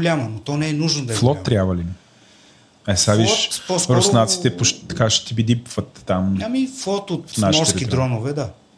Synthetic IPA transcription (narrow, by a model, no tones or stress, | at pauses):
lʲamənot̪ɔnɛɛnuʒnod̪ɐflˠɔt̪ːɾʲjabvɐlin | ɐsad̪iʃpɔsɾosnat̪si̥t̪ɛpoʃt̪ɐkaʃɛ̥t̪ibid̪ipvət̪ːamamiflˠɔt̪ot̪aʃmɔɾsɛkʲid̪ɾɔnʊvɛd̪a